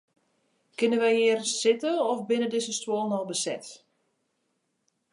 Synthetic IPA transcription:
kɪnəʋɛjɪːərsɪtəɔfbɪnədɪzəstwoːlˠnɔlˠbəsɛ̰t

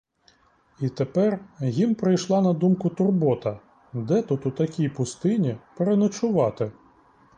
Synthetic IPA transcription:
it̪epɛrjimpɾɪjʃlˠɑnɐd̪umkʊt̪ʊrbɔt̪ɐ | d̪ɛt̪ut̪ʊt̪ɐkʲijpʊst̪ɪnʲipeɾenɐt͡ʃʊʋɑt̪ɪ

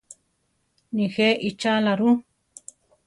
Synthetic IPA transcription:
nĩxeʔit͡ʃalaɾũ

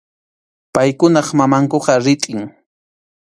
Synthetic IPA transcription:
pajkʊnɑχmamaŋkoqɑɾɪt̪ʼɪŋ

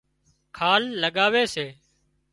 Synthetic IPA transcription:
kʰaːlːəɠaːʋeːseː

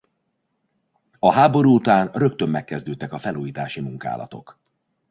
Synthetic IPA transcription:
ɒɦaːbo̞ɾuːut̪aːnrø̞kt̪ø̞mːɛkːɛzd̪øːt̪ːɛkɒfɛluːjiːt̪aːʃimuŋka̰ːlʔɒ̰t̪o̞k

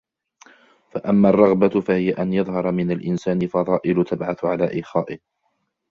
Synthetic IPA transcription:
faʔamːaːrˤːɑɣbafahɪjaʔanjɑðˤɦɑɾˤɑmɪnalʔɪnsaːnɪfɑðˤɑːʔɪlʊt̪ʰabʕaθʕalaːʔiːxaːʔɪh

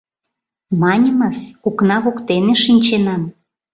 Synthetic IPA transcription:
mɑnʲəməsuknɑβokt̪eneʃinʲt͡ɕenɑm

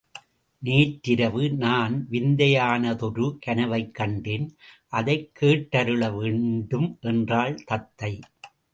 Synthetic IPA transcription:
neːʈːɪɾɐʋɯnaːnʋɪnd̪ɐjaːnɐðɔɾɯkɐnɐʋɐɪkːɐɳɖɪnʔɐðɐɪkʰːeːʈːɐɾɯɭɐʋeːɳɖɯmʔɛndraːɭt̪ɐt̪ːɐɪ

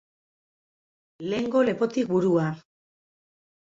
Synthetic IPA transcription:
le̞ŋɡo̞le̞po̞t̪ik̚buɾua

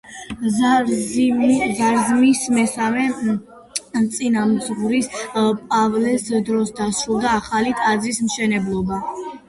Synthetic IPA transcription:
zaɾzmismɛsamɛ | t̪sʼinamzʁuɾispʼavlɛsd̪ɾɔsd̪asɾulˠd̪aːχalit̪ʼazɾismʃɛnɛblˠɔba

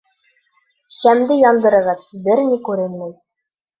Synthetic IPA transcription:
ɕæmd̪ɘjɒnd̪ɤ̆ɾɤ̆ʁɤt̪bɘɾnikʉɾɘnmɘj

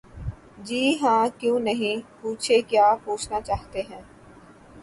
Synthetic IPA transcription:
d͡ʒiːɦãːkjõːnɐɦĩpuːt͡ʃʰekjaːpuːt͡ʃʰnat͡ʃaːɦt̪eɦɛ̃ː

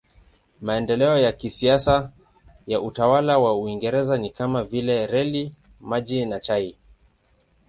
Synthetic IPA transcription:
maɛndɛlɛɔjakisiasa | jaʔutawalawauiŋɡɛɾɛzanikamavilɛɾɛli | maʄinat͡ʃai

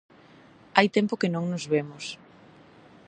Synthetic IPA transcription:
ajt̪ɛmpokɪnõŋnʊzβemʊs

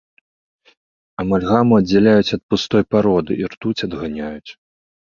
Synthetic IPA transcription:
ɐmalʲɣamuɐd͡zʲːalʲajut͡sʲɐt̪̚pust̪ɔjpaɾɔd̪ɨirt̪ut͡sʲɐd̪ɣanʲajut͡sʲ

